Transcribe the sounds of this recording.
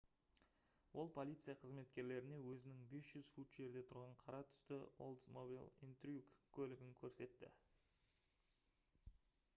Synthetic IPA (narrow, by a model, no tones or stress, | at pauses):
wʔo̞lˠpʰo̞lʲijt̪sɨijaqʰəzme̞t̪kʲe̞ɾle̞ɾɪne̞wɵzɪnɪŋbe̞sʒ̥ʏz̥fut̪ʒ̥e̞ɾd̪e̞t̪ʰʊɾʁɑɴqʰɑɾɑt̪ʰʏ̥st̪ɪo̰lˠd̪smobḭlˠḭnt̪rʲukkʲʰːɵlɪɡʲɪŋkʲʰɵɾse̞t̪ːɪ̰